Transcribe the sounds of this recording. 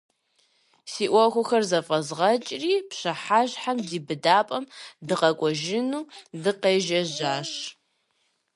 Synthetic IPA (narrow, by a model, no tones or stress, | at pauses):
siːʔʷɔxʷʊxɐrzɐfʼɐzʁɐt͡ʃʼriːpɕɐħaʑħamdiːbɨdaːpʼɐmdɨqɐkʷʼɔʒɪnuːdɨqeːʒɐʑaːɕ